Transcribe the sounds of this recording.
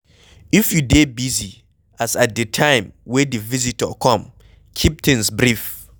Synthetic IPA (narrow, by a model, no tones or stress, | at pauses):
ifjudebizi | asat̚dɨtʰãɪ̃mwɛ̃dɨvizitəkʰɔ̃m | kʰip̚θɪ̃ŋsbɹif